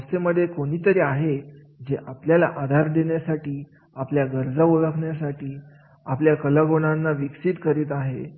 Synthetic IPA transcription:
seməd̪ʱːjekoɽ̃iːt̪əɾiːaɦe | d͡ʑeʔapljala̰ʔad̪ʱaɾd̪eɳjasaʈiː | apljaɡəɾd͡zauɭəkʰɳjasaʈiː | apljakəlaɡoɽ̃anːaʋiksiːt̪kəɾiːt̪aɦe

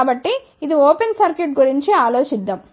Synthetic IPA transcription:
bɐʈːiː | d̪ioːpensɐɾkeʈ̚ɡuɾiɲt͡ʃiaːloːt͡ʃid̪ːɐm

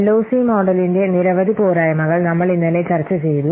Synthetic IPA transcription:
lːoːsiːmoːɖɐlindeniɾɐʋɐðipoːɾaːjɐmɐɣɐɭnɐmːɐɭinːɐlet͡ɕɐrt͡ɕːɐt͡ɕejðu

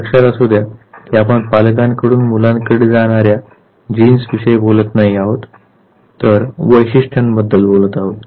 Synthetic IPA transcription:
əkʂaɾasud̪ʱjak̪iapəɳpalkãnkəɽuːnmulãnkəɽed͡zaɽ̃aɾja | d͡ʑinsʋiɕəjbolət̪naɦiaɦot̪ː | əɾʋəjɕiʂʈʰənbəd̪ːəlbolət̪aɦot̪

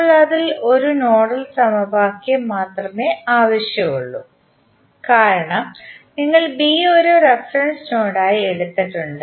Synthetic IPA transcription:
ɭːaːðilo̞ɾuno̞ːɽɐlsɐmɐbaːkːemaːt̪rɐmeaːʋɐɕjɐmuɭːu | kaːɾɐɳɐmniŋːɐɭbiːoɾorefrɐnsno̞ːɽaːjie̞ɽut̪ːiʈːuɳɖɨ

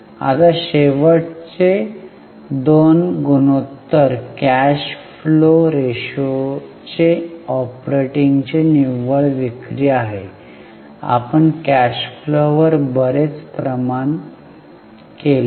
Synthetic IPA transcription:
a̰t̪aɕeʋəɽt͡ɕe | d̪onɡunot̪ːəɾkæɕfloɾeɕo | t͡ɕeɔpɾeʈiŋɡt͡ɕeniʋəɭʋikɾiaɦe | a̰pəɳkæɕfloʋəɾbəɾet͡spɾəman | kel

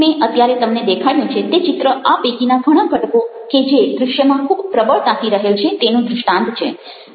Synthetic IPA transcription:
meʔət̪jaɾet̪əmned̪ekʰajũt͡ʃʰet̪et͡ʃɪt̪ɾəʔabeɡinaɡʱəɽ̃ãɡʱəʈkoked͡ʒed̪ɾʊʃjəmãkʰubpɾəbəɭt̪ãt̪ʰiɾəɦelt͡ʃʰet̪enũd̪ɾʊʃʈãnt̪t͡ʃʰḛ

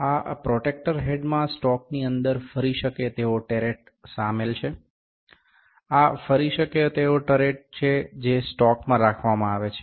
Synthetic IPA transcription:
apɾɔʈek̚ʈəɾɦeɖmãsʈɔk̚niənd̪əɾfəɾiʃəket̪eoʈeɾeʈ | samelt͡ʃʰe | afəɾiʃəket̪eoʈəɾeʈ̚t͡ʃʰed͡ʒesʈɔkmãɾakʰʋamãaʋet͡ʃʰe̥

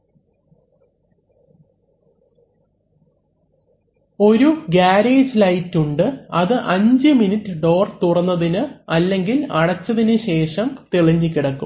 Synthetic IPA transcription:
o̞ɾuɡaːɾeːd͡ʑlɐjtːuɳɖɨɐðɨʔɐɲd͡ʑɨminitːɨɖo̞ːrt̪urɐnːɐðinɨɐlːe̞ŋɡilɐɽɐt͡ɕːɐðinɨɕe̞ːʂɐmt̪eɭiɲːikʲːiɽɐkːṵm

